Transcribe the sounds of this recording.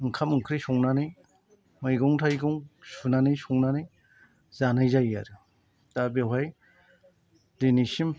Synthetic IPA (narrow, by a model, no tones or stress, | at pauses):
ɯŋkʰamɯŋkʰɾisɔŋnanɯj | mɯjɡɔŋtʰajɡɔŋsunanijsɔŋnanaj | z̥anajzajaɾɯ | d̥abewɦaj | denisim